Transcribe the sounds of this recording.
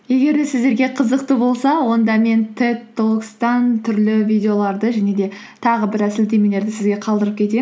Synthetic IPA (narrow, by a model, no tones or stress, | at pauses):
je̞ɡʲe̞ɾd̪e̞sɪzd̪e̞ɾɡʲe̞qʰəzəqt̪əbo̞lˠsɑwo̞nd̪ɑme̞nt̪ʰet̪ːokst̪ɑnt̪ʰʏɾlɪvijd̪ʲe̞o̞lˠɑɾd̪əʒæne̞d̪e̞ | t̪ʰɑʁəbɪɾæsɪld̪e̞jme̞le̞ɾd̪ɪsɪzɡʲe̞qʰɑlˠd̪əɾəp̚kʲʰe̞t̪em